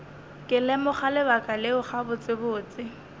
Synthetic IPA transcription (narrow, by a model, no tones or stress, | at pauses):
kʼɪlɛmʊχalɪbakʼalɪʊχabʊt͡sʼɪbʊːt͡sʼɪ